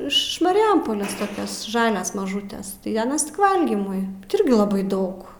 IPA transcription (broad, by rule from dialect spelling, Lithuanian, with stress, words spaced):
ɪʃ mɐrʲɪˈjɛmpoːlʲeːs toːˈkʲɛs ˈʒɑːlʲɛs mɐˈʒuːtʲɛs tɐɪ ɐˈnɐs tʲɪk ˈʋɐlʲɡʲiːmʊɪ ˈɪrʲɡʲɪ lˠɐˈbɐɪ ˈdɐʊk